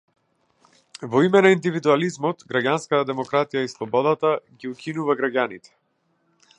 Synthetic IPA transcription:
vɔimɛnaind̪ivid̪ualizmɔt̪ɡɾaɟanskat̪ad̪ɛmɔkɾat̪ijaislˠɔbɔd̪at̪aɡiukʰinuvaɡɾaɟanit̪ɛ̥

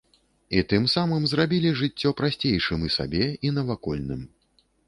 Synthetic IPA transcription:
it̪ɨmsamɨmzrabʲilʲiʐɨt͡sʲːɔpɾasʲt͡sʲejʂɨmɨsa̰bʲɛinɐvakɔlʲnɨm

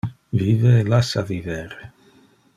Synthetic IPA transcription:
viveːlasavivɛɾe

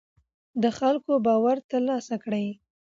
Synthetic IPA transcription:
d̪əxalkobɑwaɾt̪alɑsakɽəj

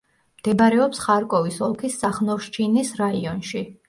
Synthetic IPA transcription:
md̪̥ɛbɾɛɔpsχaɾkʼɔvisɔlˠkʰisːaχnɔʃt͡ʃʼʰinisɾaiɔnʃi

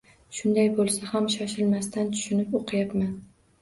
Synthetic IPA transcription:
ʃʊnd̪ajbolˠsahamʃɒʃɪlmast̪ant̪ʰʊ̥ʃʊnɪpoqʰɨjapman

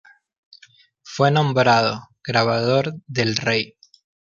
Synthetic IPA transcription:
fwenõ̞mbɾað̞o | ɣɾaβaðoɾðelrej

